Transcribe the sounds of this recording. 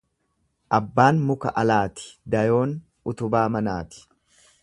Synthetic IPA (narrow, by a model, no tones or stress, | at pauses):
ʔɐbːaːnmʊkɐ̰ʔɐlaːt̪ɪ̥d̪ɐjo̞ːn | ʊt̪ʊbaːmɐna̰ːt̪ɪ̥